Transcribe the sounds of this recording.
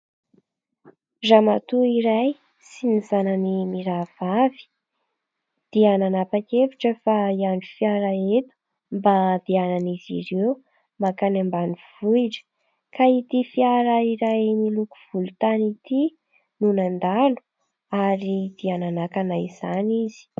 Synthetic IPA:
zamat̪uiɾaj | sinizananimiɾav̥avi̥ | d̪̥iananapakeviʈ͡ʂəfaiaɳɖ͡ʐufiaɾaet̪u̥ | mbad̪̥iananizḭɾew | makanambaniv̥uiʈ͡ʂə̥ | kait̪ifiaɾaiɾajmilukuv̥ulut̪anit̪i | nunand̪alu̥ | aɾid̪̥iananakanaiz̥anizi̥

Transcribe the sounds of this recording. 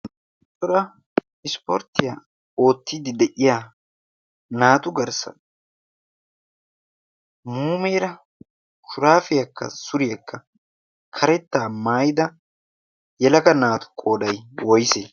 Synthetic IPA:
tʼːɔɾɐ | ɪspɔɾt̪ːɪja | o̞ːt̪ːɪd̪ɪd̪ɛʔɪjaː | naːt̪ʊɡɐɾsɐ̰ | muːmeːɾɐ | kʊɾaːfɪjɐkːɐ̰sʊɾɪjɐkːɐ | kʰɐɾɛt̪ːaːmaːjɪd̪ɐ | jɛlɐkɐnaːt̪ʊ̥kʼo̞ːd̪ɐjwɔjseː

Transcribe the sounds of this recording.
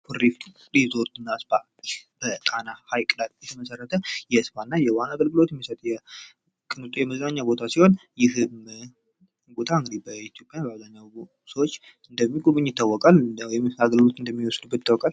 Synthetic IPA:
fʰuɾif | ɾizo̞ɾt̪ɨnːaspʰa | b̥ət̪ʼanahajkʼɨlat̪jɛt̪ʰəməsərːət̪ʰəjɛspanːajɛwanaɡəlɡɨlo̞t̪jɛmːisət̪ʼjɛ | kʼɨnt̪ʼujɛməznaɲːawbo̞t̪ʰasiho̞njɪhɨm | ɡot̪ʰaɨŋɡɨd̪ibəit̪ʰijo̞pʼjabəazaɲːaw | səwot͡ʃː | ɨnd̪əmːiɡʼoβɨɲːjɪt̪ʰːawːɔkʼalwjɛmaɡəlɡɨlo̞t̪ɨnd̪əmːiwɔsd̪ubːət̪ːawɔkʼal

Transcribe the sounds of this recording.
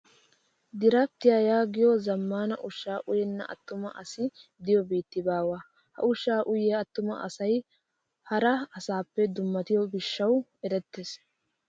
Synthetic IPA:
d̪ɪɾɐt̪ːɪjajaːɡɪjɔzɐmːaːnɐ̰ʔʊʃːaːʔʊjɛnːɐʔɐ̰t̪ːʊmɐʔɐsɪd̪ɪjɔbiːt̪ːɪbaːwaː | hɐ̰ʊʃːaːʔʊjɛɐt̪ːʊmɐ̰ʔɐ̰sɐj | hɐɾɐɐsaːpːɛd̪ʊmːɐt̪ɪjɔbɪʃːɐwɛɾɛt̪ːeːs

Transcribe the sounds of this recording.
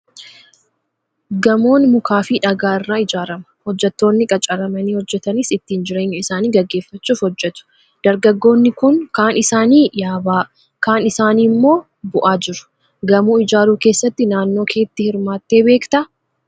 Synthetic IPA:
ɡɐmo̞ːnmʊkʰaːfɪᶑɐɡaːɪrːaːɪd͡ʒaːɾɐmɐ̥hɔd͡ʒːɛt̪ːo̞ːnːɪkʼɐt͡ʃʼɐɾɐmɐniːhɔd͡ʒːɛt̪ɐnɪsɪt̪ːiːnd͡ʒɪɾe̞ːɲːʊɪsaːniːɡɐɡːe̞ːfːɐt͡ʃːuːfhɔd͡ʒːɛt̪ʊ̥ | d̪̥ɐɾɡɐɡːo̞ːnːɪkʊŋkaːnɪsaːniːjaːbaː | kaːnɪsaːniːmːo̞ː | bʊʔaːd͡ʒɪɾʊ̥ | ɡɐmuːɪd͡ʒaːɾuːke̞ːsːɐt̪ːɪnaːnːo̞ːkʰe̞ːt̪ːɪhɪɾmaːt̪ːe̞ːbe̞ːkt̪ɐ

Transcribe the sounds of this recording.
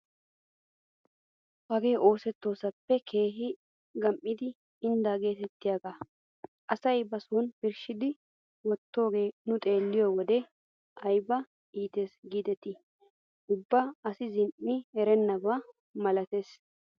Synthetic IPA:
hɐɡe̞ːʔo̞ːsɛt̪ːo̞ːsɐpːɛkʰe̞ːɦɪ | ɡɐmʔɪd̪ɪː | nd̪aɡe̞ːt̪ɛt̪ːɪjaːɡaː | ʔɐsɐjbɐsuːnbɪɾʃɪd̪ɪ | wɔt̪ːo̞ːɡe̞ːnʊt̪ʼe̞ːlːɪjɔwɔd̪ɛ | ʔɐjbɐ | ʔiːt̪eːsɡiːd̪ɛt̪ɪ | ʊbːaɐsɪzɪnʔɪɛɾɛnːɐba | mɐlɐt̪e̞ːs

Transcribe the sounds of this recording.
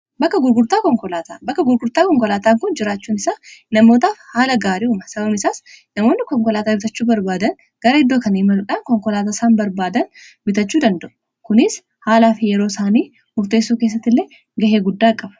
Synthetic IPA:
bɐkːɐɡʊɾɡʊɾt̪aːkɔŋkɔlaːt̪aːbɐkːɐɡʊɾɡʊɾt̪aːkɔŋkɔlaːt̪aːŋkʊnd͡ʒɪɾaːt͡ʃːuːnɪsaːnɐmo̞ːt̪aːfhaːlɐɡaːɾiʊmɐsɐbɐbnɪsaːsnɐmo̞ːnːɪkɔŋkɔlaːt̪aːbɪt̪ɐt͡ʃːuːbɐɾbaːd̪ɐn | ɡ̥ɐɾɐɪd̪ːoːkɐnɐɪmɐlʊᶑaːnkɔŋkɔlaːt̪asaːnbɐɾbaːd̪ɐn | mɪt̪ɐt͡ʃːuːd̪ɐnd̪ɐʔʊ̥ | kʊnɪs | haːlaːfɪjɛɾo̞ːsaːniː | mʊɾt̪eːsːuːkes̬ːɐt̪ːɪlːeː | ɡɐheːɡʊd̪ːaːkʼːɐbɐ̥

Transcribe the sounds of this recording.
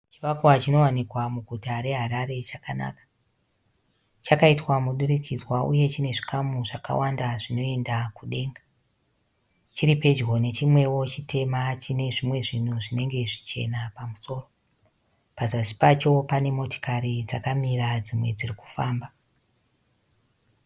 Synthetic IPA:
t͡ʃiʋakwat͡ʃino̞wanikwamuɡʱutaɾe̞ɦaɾaɾe̞t͡ʃakana̰ːkḁ | t͡ʃakaitwamuɗurikid͡zwaʔṵje̞t͡ʃine̞ʐi̥kʰamuʐaka̰wandaʐino̞e̞ndakuɗe̞ːŋɡa | t͡ʃiripe̞d͡ʒɣo̞ne̞t͡ʃimwe̞wo̞t͡ʃitʰe̞mat͡ʃine̞ʐimwe̞ʐin̤uʐine̞ŋɡe̞ʐit͡ʃe̞̰napamuso̞ːro̞ | pazasi̥pat͡ʃo̞pane̞mo̞to̥kaɾid͡zakamirad͡zimwe̞d͡ziriku̥faːmba

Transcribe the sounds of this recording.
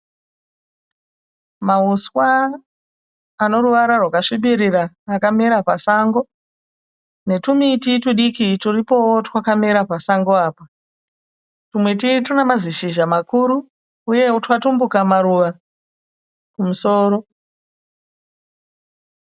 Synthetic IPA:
mauswa | no̞ɾuʋaɾarwakaʂiɓiɾiɾaː | kamiɾapasaŋɡo̞ | ne̞tumitituɗikituripo̞wotwakamiɾapasaŋɡo̞aːpa | tumwet̬itunemaziʃiʒamakuːɾu | uje̞utwatumbukamaɾuʋa | kumuso̞ːɾo̞

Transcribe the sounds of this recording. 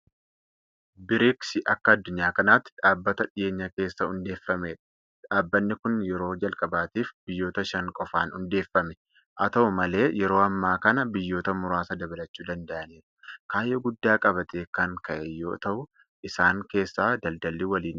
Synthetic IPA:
bɪɾɪksɪʔɐkːɐɐd̪ːʊɲːaːkɐnaːt̪ːᶑaːbːɐt̪ɐᶑɪje̞ːɲːɐke̞ːsːɐhʊnd̪eːfːɐmeːᶑɐ̥ | ᶑaːbːɐnːɪkʊnjɛɾo̞ːd͡ʒɐlkʼɐbaːt̪iːfbɪjːoːt̪ɐʃɐŋkʼɔfaːnhʊnd̪e̞ːfːɐmɛ̥ | ʔɐt̪ɐʔʊmɐle̞ːjɛɾoːɐmːaːkɐnɐbɪjːo̞ːt̪ɐmʊɾaːsɐd̪ɐbɐlɐt͡ʃːuːd̪ɐnd̪ɐʔɐniːɾɐ̥kaːjːoːɡʊd̪ːaːkʼɐbɐt̪eːkɐŋkɐʔɛjo̞ːt̪ɐʔʊ | ʔɪsaːŋke̞ːsːaːd̪ɐld̪ɐlːiwɐliːn

